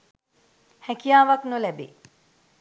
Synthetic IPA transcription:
hækijaːʋaknolɛbḛ

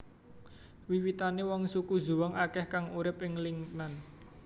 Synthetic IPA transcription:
wiwit̪anewɔŋsuku̥zuwɔŋʔakɛhkaŋuɾɪpɪŋliŋnan

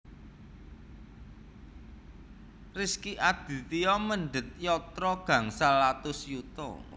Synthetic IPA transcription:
riskiʔad̪̥i̤t̪ijɔməɳɖət̪̚jɔt̪ɾɔɡ̥ä̤ŋsalat̪ʊsjut̪ɔ̰

